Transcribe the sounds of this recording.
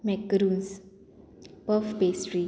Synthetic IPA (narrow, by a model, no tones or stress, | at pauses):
mɛkɾũns | bɔfbesɹi